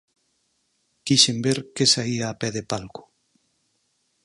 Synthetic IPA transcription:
kiʃembeɾkesaiaːpɛðepalkʊ̥

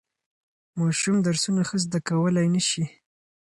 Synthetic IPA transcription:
mɑʃumd̪aɾsunaxəzd̪akawəlajnəʃi

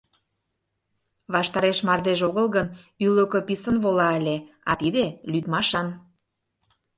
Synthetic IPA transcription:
βɑʃt̪ɑɾeʃmɑrd̪eʒoɣəlˠɣən | yløkø̆pisənβolɑəlʲe | ɑt̪id̪elyd̪mɑʃɑn

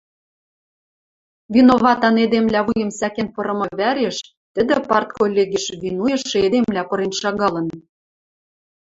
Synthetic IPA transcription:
vinoβɑt̪ɑned̪emlʲæβujə̆msækenpɤ̆ɾɤ̆mɤ̆βæɾeʃ | t̪ɘ̆d̪ɘ̆pɑrt̪̚kolʲːeɣiʃβinujɤ̆ʃed̪emlʲæpɤ̆ɾenʃɑɣɑlɤ̆n

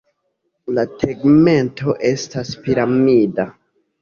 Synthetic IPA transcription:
latʰeɡme̞nto̞ʔe̞staspiɾamida

